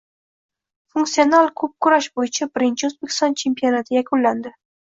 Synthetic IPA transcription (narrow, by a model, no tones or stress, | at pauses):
funksio̞nalˠkʰɵp̚kʰʊɾaʃbojɪt͡ʃʰabɪɾɪnt͡ʃʰɪozbekʲʰɪ̥st̪ɒnt͡ʃʰe̞mpio̞nat̪ʰɪjakʰʊnland̪ɪ